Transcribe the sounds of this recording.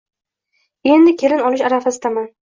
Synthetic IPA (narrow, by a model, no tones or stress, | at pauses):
e̞nd̪ɪkʲʰe̞lɪnɒlˠɪʃaɾafasɪd̪aman